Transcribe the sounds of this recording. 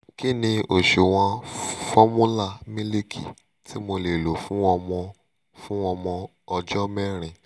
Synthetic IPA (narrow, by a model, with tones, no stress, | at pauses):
ki˦˨nĩ˧o˨ʃo˨w̃ɔ̃˧fɔ˦mũ˦la˦˨mĩ˦le˦kʰḭ˨ | ti˦mo˧le˨lo˨fũ˦ɔ˧mɔ̃˧ | fũ˦ɔ˧mɔ̃˧ | ɔ˧d͡ʒɔ˦mɛ˦ɾ̃ĩ˧˨